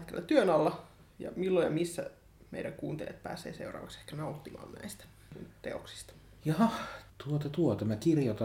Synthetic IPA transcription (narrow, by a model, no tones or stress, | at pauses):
t̪kelːæt̪t̪yønɑlːɑ | jɑ̰milːojɑmisːæ̰ | mḛiɾæŋkuːnt̪eljɑt̪̚pæ̰ːsˑḛːsḛurɑ̰ːʋɑkse̥hkænɑut̪ːimɑ̰ːnnæist̪æ̥ | nt̪ḛo̰ksi̥st̪ɑ̥ | jɑhɑt̪uot̪ɑt̪uot̪ɑmækirjot̪ɑ